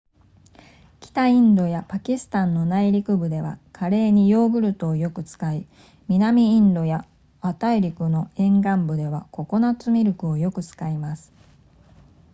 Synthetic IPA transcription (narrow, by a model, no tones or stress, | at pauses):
kʲi̥t̪aĩnd̪o̞japakʲisɨ̥t̪ãnːo̞naiɾʲikɯ̟bɯ̟d̪e̞βa̰kʰaɾe̞ːɲ̟ijo̞ːɡɯ̟ɾɯ̟t̪o̞ːjo̞kɯ̟t͡sɨ̥kai | mʲinamʲĩːnd̪o̞ja | at̪aiɾʲikɯ̟no̞ẽ̞ŋɡãmbɯ̟d̪e̞β̞ako̞ko̞nat͡sɨmʲiɾɯ̟kɯ̟o̞jo̞kɯ̟t͡sɨ̥kaimasɨ̥